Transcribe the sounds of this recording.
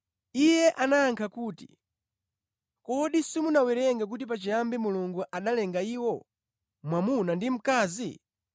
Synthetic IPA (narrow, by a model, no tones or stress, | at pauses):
ijɛʔanaːŋkʰakuːtḭ | kɔɗisimunawɛɾɛŋɡak̬utip̬at͡ʃijambimuluŋɡuʔaɗalɛŋɡaiːwɔ | mwamunandim̩kaːzi